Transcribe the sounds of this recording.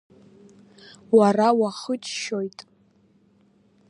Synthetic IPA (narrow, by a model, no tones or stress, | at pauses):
warawaχət͡ʃʼʃo̞jtʼ